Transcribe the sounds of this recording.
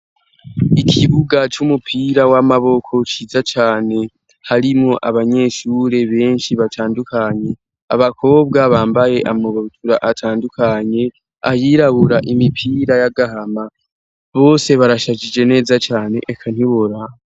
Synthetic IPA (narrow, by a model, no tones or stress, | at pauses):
ikʰiβuɡat͡ʃumupʰiːɾawamaβo̞kʰo̞t͡ʃiːzat͡ʃaːne̞ | haɾimŋo̞ʔaβaɲe̞ːʃuːɾe̞βe̞ːnʃiβatʰaːndukaɲe̞ | a̰βakʰo̞ːb̚ɡaβaːmbaje̞ʔamuβotuɾaʔatʰaːndukʰaɲe̞ | a̰jiːɾaβuɾaʔimipʰiɾajaɡaɦama | βo̞ːse̞βaɾaʃaʒid͡ʒe̞ne̞ːzat͡ʃaːne̞̰ʔːkʰan̥hiβoɾa